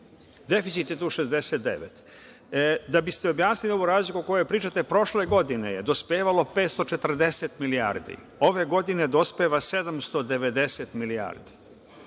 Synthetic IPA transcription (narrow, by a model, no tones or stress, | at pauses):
d̪e̞fisit̪jet̪uːʃezd̪e̞set̪̚d̪ḛʋet̪ | d̪abist̪eo̞bjaːsnilio̞ʋoɾaːzlikuko̞joepɾiːt͡ʃat̪e̞pɾo̞ʃle̞ɡo̞d̪ine̞jed̪o̞speːʋalopeːt̪st̪o̞t͡ʃe̞t̪r̩d̪e̞set̪milia̰ːɾd̪ḭ | o̞ʋe̞ɡo̞d̪ined̪o̞speʋase̞d̪amst̪o̞d̪e̞ʋe̞d̪e̞set̪milia̰ːɾd̪i̥